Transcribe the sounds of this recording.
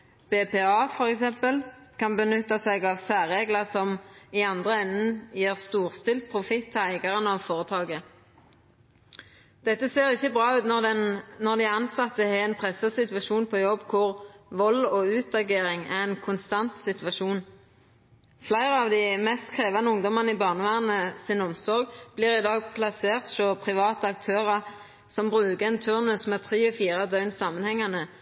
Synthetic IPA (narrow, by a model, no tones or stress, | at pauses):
b̥eːpeːɑːfɔʁɛksɛmpəlkɑnbənʏt̪ːɑsɛɡɑʋsæːʁeːɡləʁsɔmɪɑnd̪ʁəɛnːn̩jeːʁst̪uːʁst̪ɪlt̪̚pʰʁʊfɪt̪ʰːæɪɡɑʁənəɑʋfoːʁət̪ʰɑːɡə | d̪̥ɛt̪ːəseːʁɪçːəbʁɑːʉːt̪nɔɛnnɔʁd̪ɪɑnsɑt̪ːəhɛɛnpʰʁɛsəsɪt̪ʋɑʃuːnpʰɔjɔbːkʰʊʁʋɔlɔːʉːt̪ɑɡeːʁɪŋæ̰ʁɛnkʰʊnst̪ɑnt̪sɪt̪ʋɑʃuːn | flæɪʁəɑʋd̪ɪmɛst̪kʰʁeːʋɑnəʊŋd̪ɔmɑniːbɑːʁnəʋæːʁnəsɪnɔmsɔʁɡb̥liːʁɪd̪ɑːɡ̚pʰlɑseːʁt̪ʃopʰʁɪʋɑːt̪əɑk̚t̪ʰøːʁɑ | sɔmbʁʉːkəɛnt̪ʰʉʁnʉsmɛt̪ʰʁiːɔfiːʁɑd̪œʏnsɑːmənhɛŋːɑnə